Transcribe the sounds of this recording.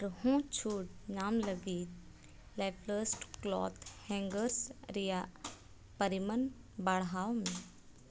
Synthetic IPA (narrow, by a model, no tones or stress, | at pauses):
ɾhõːt͡ʃʰuːʈnaːmləɡiːt̪̚ | lɛpʰləsʈklɔ̰ːt̪ʰhɛ̃ːŋɡəɾsɾija | pəɾimən | baɽɦaːomẽ